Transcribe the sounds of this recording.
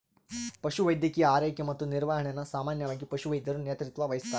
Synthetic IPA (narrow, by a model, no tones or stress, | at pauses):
pɐʃuʋɐjd̪jɐkijɐaːɾejkjɐmɐt̪ːuniɾʋaːɦɐɳenːɐsaːmaːnjɐʋaːɡipɐʃuʋɐjd̪ʱjɐɾunjeːt̪ɾit̪ʋɐʋɐjist̪aː